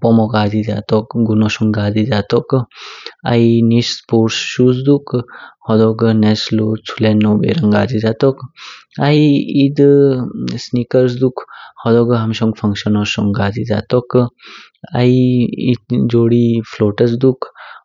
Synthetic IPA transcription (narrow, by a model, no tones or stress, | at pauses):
pɔmɔɡaziza̰t̪ɔk̚ɡunɔsɔŋɡazizatɔk | a̰jnispoɾsːus̬dukhɔdɔɡneslot͡sʰulenːɔbḛɾaŋɡa̰zizat̪ɔkajid | snikɐɾs̬dukhɔdɔɡɯɦamsɔŋpʰaŋsɔnɔsɔŋɡaziza̰tɔk | ajid͡ʒoɽipʰlɔtɐs̬duk